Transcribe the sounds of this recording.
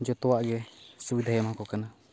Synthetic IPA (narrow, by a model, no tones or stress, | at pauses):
d͡ʒɔt̪ɔwaʔɡɛsubid̪ʱajamɦɔkɔkana